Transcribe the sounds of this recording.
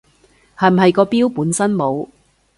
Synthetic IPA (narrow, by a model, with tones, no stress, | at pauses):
hɐ˨˩m̩˨˩ɦɐ˨jkɔː˧piː˥wpuː˨˥nsɐ˥nmo˨˧w